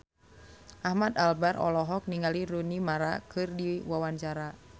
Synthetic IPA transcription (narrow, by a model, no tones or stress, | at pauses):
ʔahmat̪albarɔ̰lɔɦɔk̚niŋaliɾunimaɾa̰kɨrdiwawaɲt͡ʃaɾa